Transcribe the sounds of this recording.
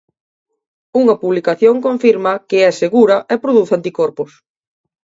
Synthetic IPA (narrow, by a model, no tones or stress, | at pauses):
uŋɐpuβlikaθjoŋkõɱfiɾmɐkɪɛseɣuɾɐʔɛpɾoðuθant̪ikɔɾpʊs